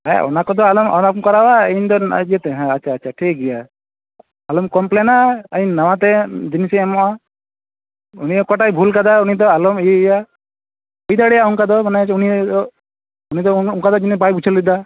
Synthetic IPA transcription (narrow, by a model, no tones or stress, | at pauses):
ɦɛ̰ɔ̰nakɔd̪ɔalɔmɔ̰nakɔkɔɾawaɛnd̪ɔ̰d͡ʒijet̪ɛɦɛ̃at͡ʃʰaːt͡ʃʰaʈʰik̚ɡɛja | alɔmkɔmplɛnaainnawat̪ɛd͡ʒinisɛɛmɔa | uniɔkɔʈajbʱulkad̪aunid̪ɔalɔmija | ɔjd̪aɽɛjauŋkad̪ɔmanɛuniɔ | unid̪ɔuŋkad̪ɔd͡ʒinibajbut͡ʃʰɔlid̪a